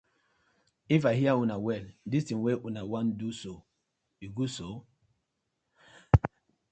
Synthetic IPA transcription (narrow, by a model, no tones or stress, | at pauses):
ifaɦiaunawɛldistĩweʔunawãnduso | iɡuso